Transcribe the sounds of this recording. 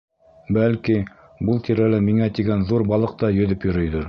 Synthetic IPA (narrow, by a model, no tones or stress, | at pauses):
bælki | bɤlˠt̪ʰiɾælɘmiŋæt̪iɡænðuɾbɑlˠɤq̚t̪ɑjɵ̆ðɵpjɵ̆ɾɵ̆jðɤɾ